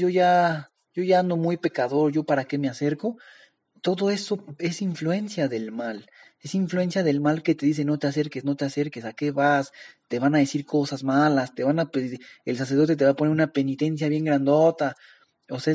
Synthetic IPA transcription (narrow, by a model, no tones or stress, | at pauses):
jo̞ʝa | ʝo̞ʝaand̪o̞mujpe̞kaðo̞ɾʝo̞paɾake̞me̞ase̞ɾko̞ | t̪o̞ðo̞e̞so̞e̞siɱflue̞nsjaðe̞lmal | e̞siɱflue̞nsjaðe̞lmalke̞t̪e̞ðis̬eno̞t̪e̞ase̞ɾke̞zno̞t̪e̞ase̞ɾkesake̞βast̪e̞βanaðe̞siɾko̞sazmalast̪e̞βanapeels̬as̬e̞ɾðo̞t̪e̞t̪e̞βaponeɾunape̞nit̪e̞ns̬jaβje̞ŋɡɾand̪o̞t̪a | ose